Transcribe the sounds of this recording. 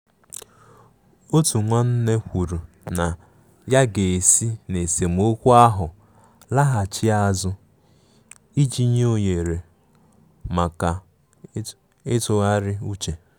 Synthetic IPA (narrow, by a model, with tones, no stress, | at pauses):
o˦tu˨ŋʷa˦n̩˦ne˦kʷu˨ɾu˨ | na˨ | ja˦ɡe˨e˨si˦ne˨se˨m̩˦o˦kʷu˦a˦ɦʊ˨ | la˦ɦa˨t͡ʃɪ˦a˦zʊ˦ | i˦d͡ʒi˦ɲ˦o˦ɲe˨ɾe˨ | ma˨ka˨ | ɪ˦tʊ˨ɣa˦ɾɪ˦u˦t͡ʃe˨